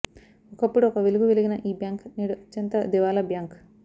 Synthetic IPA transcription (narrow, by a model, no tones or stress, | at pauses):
ɔkɐpːuɽuɔkɐʋeluɡuʋeliɡinɐʔiːbjaːŋkniːɽuɐtːjɐnt̪ɐd̪iʋaːlɐbjaːŋk